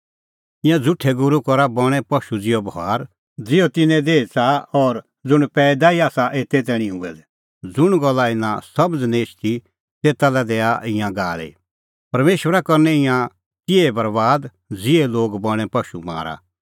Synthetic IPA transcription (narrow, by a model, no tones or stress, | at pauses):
ɪ̃jãd͡zʊʈʰɛɡʊɾukɔɾabɔɽ̃ɛ̃pɐʃud͡zɪjɔbɦaːɾ | d͡zɪjɔt̪ɪnɛ̃d̪eːt͡saɔːɾ | d͡zʊɽ̃pɛːd̪aiaːsaʔeːt̪et̪̬ɛːɽ̃ĩɦʊɛdɛ | d͡zʊɽ̃ɡɔlːaɪnãsɐbəd͡zneːt͡ʃʰt̪ʰi | t̪eːt̪alɛd̪eːaʔɪ̃jãɡaːlḛ | pɐɾmeːʃʋəɾakɔɾnɛ̃ɪjã | tɪɛbɐɾbaːd̪ | d͡zɪɛloːɡbɔɽ̃ɛ̃pɐʃṵma̰ːɾa̰